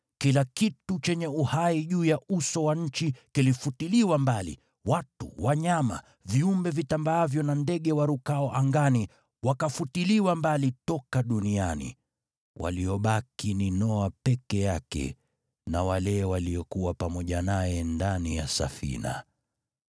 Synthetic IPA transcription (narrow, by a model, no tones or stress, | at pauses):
kilakitut͡ʃɛɲɛuhaiʄuːjausɔwaɲ̩t͡ʃikilifutiliwambalḭ | watṵwaɲama̰ | viumbɛvitambaavjɔnandɛɠɛwaɾukaɔʔaŋɡani | wakafutiliwambalitɔkaɗunianḭ | wʔa̰liɔɓakininɔapɛkɛjakɛ̰ | nawalɛwaliɔkuwapamɔʄanajɛndanija̰sa̰fḭna̰